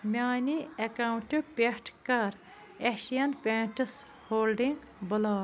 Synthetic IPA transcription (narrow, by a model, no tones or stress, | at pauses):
mʲaːniɐkawɳʈɨpʲeʈʰkɐɾ | eʃijɐnpʲeːʈɨs | hoːlɖiŋɡ | bəlaː